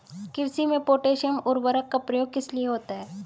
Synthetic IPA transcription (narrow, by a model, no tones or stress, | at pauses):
kɪɾsimẽpoːʈeːʃənʊɾbəɾakːapɾəjoːɡ̚kɪslieɦoːt̪aɦɛː